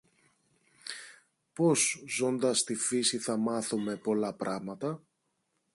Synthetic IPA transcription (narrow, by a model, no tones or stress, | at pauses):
po̞zzo̞nd̪ɐst̪ifisiθɐmɐθume̞po̞lɐpɾɐɣmɐt̪ɐ